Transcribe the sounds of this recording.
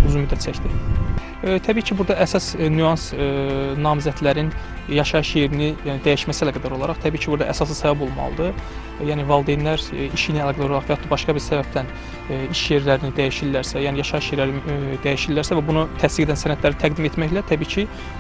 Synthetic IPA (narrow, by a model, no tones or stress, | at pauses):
yzunmyd̪ːæt̪t͡ʃʰæçd̪i | t̪ʰæbiːcʰibuɾd̪ɑʔæsɑsnyɑnsnɑːmizæt̪læɾin | jɑʃɑɯʃje̞ɾinid̪æjiʃmæsilæɡæd̪æɾo̞lˠɑɾɑχt̪ʰæbiːcʰibuɾd̪ɑ̰ʔæsɑs̬ɯsɑbibo̞lˠmɑ̰lˠɯd̪ɯ | jæːnivɑlˠd̪ejnlæɾiʃiniælˠɑɡælɑɾolˠɑχvæjɑt̪ubɑʃkɑbiɾsæbæp̚t̪ʰæn | iʃje̞ɾlæɾinid̪æjiʃilːæɾsæjæːnijɑʃɑɯʃjeɾlæɾid̪æjiʃilːæɾsævæbunut̪ʰæst̪iɡed̪ænsænæt̪læɾit̪ʰæɡd̪ime̞t̪mæçlæt̪ʰæbiːcʰi